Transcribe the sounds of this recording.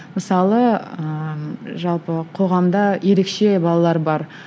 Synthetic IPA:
məsɑlˠəəʒɑlˠpəqʰo̞ʁɑmd̪ɑje̞ɾe̞kʃe̞bɑlˠɑlˠɑɾbɑɾ

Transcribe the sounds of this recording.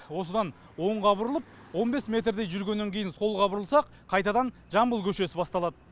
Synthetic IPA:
wo̞səd̪ɑn | wo̞ɴʁɑbʊɾəlˠəp̚ | wo̞nbe̞smʲe̞t̪rd̪ejʒʏɾɡʲe̞nːeŋkʲʰe̞jɪnso̞lˠʁɑbʊɾəlˠsɑq | qʰɑjt̪ɑd̪ɑn | ʒɑmbəlˠkʲʰɵʃe̞sɪbɑst̪ɑlˠɑd̪ə

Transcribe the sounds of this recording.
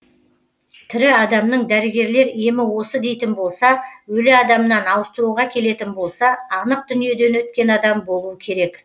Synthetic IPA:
t̪ʰɪɾɪɑd̪ɑmnəɴd̪æɾɪɡʲe̞ɾle̞ɾe̞mɪwo̞səd̪e̞jt̪ɪnbo̞lˠsɑwɵlɪɑd̪ɑmənɑnɑwəst̪əɾuʁɑkʲʰe̞le̞t̪ɪnbo̞lˠsɑɑnəq̚d̪ʏnije̞d̪e̞nwɵt̪̚kʲe̞nɑd̪ɑmbo̞lˠuəkʲʰe̞ɾe̞k

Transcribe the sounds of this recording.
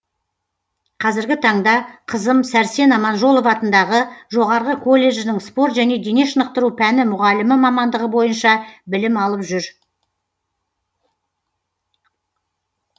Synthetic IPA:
qʰɑzɪɾɡʲɪt̪ʰɑɴd̪ɑqʰəzəmsæɾse̞nɑmɑnʒo̞lˠovɑt̪ənd̪ɑʁəʒo̞ʁɑɾʁəkʰo̞lʲːe̞ʒɪnɪŋspo̞ɾt̪ʒæne̞d̪ene̞ʃənəq̚t̪əɾupʰænɪmʊʁɑlɪmɪmɑmɑnd̪əʁəbo̞jənʃɑbɪlɪmɑlˠəpʒʏɾ

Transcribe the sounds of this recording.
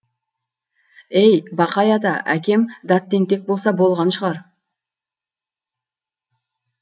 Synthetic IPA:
ejbɑqɑjɑd̪ɑʔæ̰kʲe̞md̪ɑt̪ːeŋt̪e̞k̚bo̞lˠsɑbo̞lˠʁɑnʃəʁɑɾ

